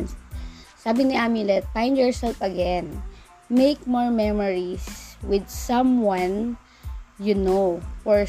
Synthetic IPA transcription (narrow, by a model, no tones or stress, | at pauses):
nssaːbɪŋnɪʔamɪ̃nlɛt̪̚fãj̃nd̪jɔɹsɛlfɐɡɛ̃n | mejk̚mɔɹmɛmɔɹiswɪd̪̚sɐ̃mwãn | jʊnofɔɹ